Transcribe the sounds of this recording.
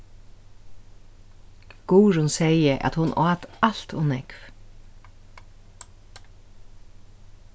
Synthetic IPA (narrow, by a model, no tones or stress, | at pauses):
ɡ̥uːɾʊnsɛjəʔa̰t̪hʊnʔɑːt̪al̥t̪ɔnɛkv